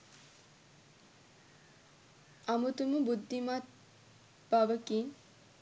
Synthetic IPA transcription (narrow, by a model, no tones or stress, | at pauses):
amut̪uməbud̪ʱːimat̪̚ | b̥aʋəki